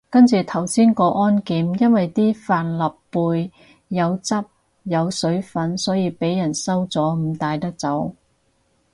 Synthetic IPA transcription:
kɐ˥nt͡sʰyː˨t̪ʰɐ˨˩wsiː˥nkɔː˧ʔɔː˥nkiː˨˥mjɐ˥nwɐ˨jt̪iː˥faː˨nlɐ˨pːuː˧jː | ɐ˨˧wt͡sɐ˥p̚ | jɐ˨˧wsɵ˨˥ɥfɐ˨˥nsɔː˨˥jiː˨˧pe˨˥jːɐ˨˩nsɐ˥wt͡sɔː˨˥m̩˨˩t̪aː˧jt̪ɐ˥k̚t͡sɐ˨˥w

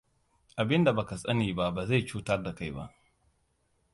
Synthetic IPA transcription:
ʔa˨bɪ˦nda˨ba˨ka˨sʼɐ˦niː˨ba˦baː˨za˦˨jt͡ʃuː˦tɐ˦rda˨ka˦˨jba̰˦ʔ

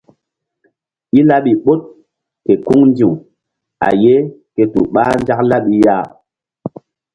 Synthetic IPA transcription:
i˦la˦ɓi˨ɓo˦t̚ | ke˨ku˦ŋndi˨w | a̰˨je˦ke˨tṵ˨ɓa˦nd͡ʒa˦k̚la˦ɓi˦ja˦˨

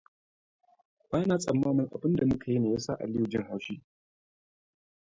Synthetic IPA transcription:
b̥aː˦naː˨sʼɐ˨mːaː˦mɪ˦ŋʔa̰˨bɪ˦nda˨mʊ˦kʰa˨ji˦neː˨jaː˦sa˦ʔa̰˨lɪ˦ju˨d͡ʒɪ˦ŋha˨wʃiː˦

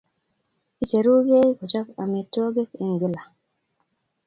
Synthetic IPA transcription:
i˦t͡ʃe˨ɾu˦ɡe˦ku˨t͡ʃa˦ka̰˨me˨tːo˦ɡe˦ke˦ŋ˨ɡi˦la˨

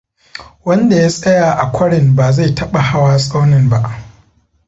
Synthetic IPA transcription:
wɐ˦nda˨ja˦sʼɐ˦jaː˨ʔa˨kʷʰɐ˦ɽɪ˨mbaː˨za˦˨jtʰɐ˦ɓa˨ha˦waː˦sʼa˦wnɪ˨mba˨ʔ

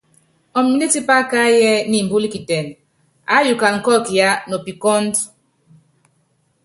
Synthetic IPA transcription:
ɔ˨m˨i˦di˦ti˦pa˦ka˦jɛ˦ni˨m̩˨bu˦li˦ki˨tɛ˨n | a˨˦ju˨ka˨ŋ̩˨kɔ˦ki˨ja˦no˨pi˨kɔ˦nd

